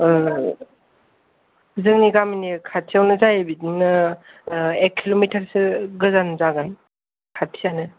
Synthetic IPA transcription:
zɯŋniɡaminikʰatʰijawnɯzajebidinːɯ | ekʰːilomitʰaɾsɯɡɯzanzaɡan | kʰatʰijanɯ

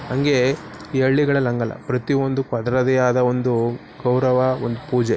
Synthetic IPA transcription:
hɐŋɡe̞iɐɭːiɡɐɭɐlɐŋɡɐlːɐ̰pɾɐt̪io̞nd̪ukɐd̪ɾɐd̪ɛjaːd̪ɐo̞nd̪u | ɡɐwɾɐʋɐond̪upuːd͡ʒe

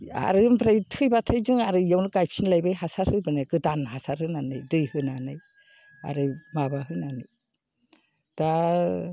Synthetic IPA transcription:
a̰ɾɯmbʰɾajtʰɯjbatʰajzɯŋaɾɯjawnɯɡajpʰsinlajbajɦasaɾhɯjbɯnajɡɯdanhasaɾhɯnanɯjdɯjhɯnanɯj | a̰ɾɯmabaɦɯnanɯj | d̥a

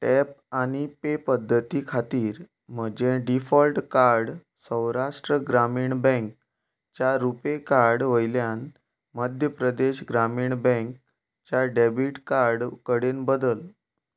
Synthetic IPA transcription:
ʈɛp̚aɽ̃ipepəd̪ʱːət̪ikʰat̪iːɾ | m̤əd͡ʑeɖifɔlʈkaɾɽ | sə̃w̃ɾaʂʈɾəɡɾamiːɳbɛ̃ŋk̚ | t͡ɕaɾupekaɾɽʋəjljan | məd̪ʱjəpɾəd̪eɕɡɾamiːɳbɛ̃ŋk̚ | t͡ɕjaɖebiʈkaɾɖkəɽenbəd̪əl

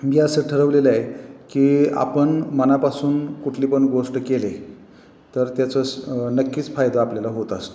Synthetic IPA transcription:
miːəsəʈʰəɾəʋleləajekiːa̰pəɳmənapasuːnkuʈʰliːpəɳɡoʂʈkele | t̪əɾt̪jat͡səsnəkːiːt͡sfajd̪aapljalaɦot̪ast̪

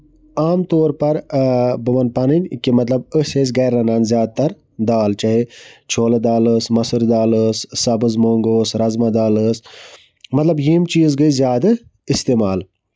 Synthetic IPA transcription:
aːmt̪oːɾpɐɾbɐʋɐn̚pɐnɨnʲkimɐt̪lɐbəses̬ɡɐːɾːɐnaːnzʲjaːd̪̚t̪ɐɾ | d̪aːlt͡ʃɐɦit͡ʃʰoːlɐd̪aːləsmɐsɨɾd̪aːləsːɐbɨzmoːŋɡoːsɾɐzmɐd̪aːləs | mɐt̪lɐbjiːmt͡ʃiːzɡəizjaːd̪ɨ | ist̪eːmaːl

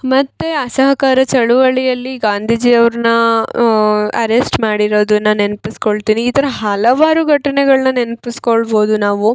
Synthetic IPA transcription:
mɐt̪ːeɐsɐɦɐkaːɾɐt͡ʃɐɭuʋɐɭijɐlːiɡaːnd̪ʱiːd͡ʒiːɐʋɐɾnɐ | ɐ̰ɾesʈmaːɽiɾo̞ːd̪unːɐnenpiskoɭt̪iːniːt̪ɐɾɐɦɐlɐʋaːɾuɡʱɐʈɐnɛɡɐɭɐnɐne̞npiskoɭbo̞ːd̪unaːʋu

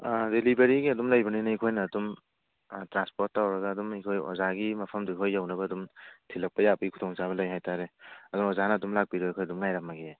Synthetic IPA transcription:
aɾelibeɾiɡiɐdumlajbɐninɐikʰojnɐːdum | tɾanspoɾtːawɾɐɡaːdumikʰojɔ̰zaɡimɐpʰɐmduikʰojːawnɐbɐːdumtʰilɐk̚pɐjapəɡikʰu̥tʰɔŋt͡ʃaβɐlajɦajtʰaɾeɐdunɔzanɐːdumlak̚biɾɔikʰojɐdumŋajɾak̚maɡe

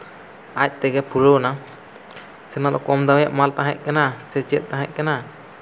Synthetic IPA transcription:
ac̚ˀt̪ɛɡɛpʰuɽona | sɛnad̪ɔkɔmd̪awjaʔmalt̪aɦɛc̚ˀkanasɛd͡ʒɛt̪̚t̪ːãɦɛ̰c̚kana

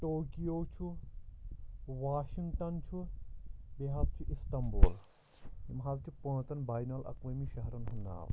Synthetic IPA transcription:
ʈoːkijoːt͡ʃʰu | ʋaːʃiŋɡʈɐnt͡ʃʰu | beɦaːzt͡ʃʰuʔist̪ɐmboːl | imɦaːzt͡ʃʰupə̃ːt͡s̪ɐnbaːjnɐlʔɐ̰kʋɐmiʃɐɦɾɐnɦunːa̰ːʋ

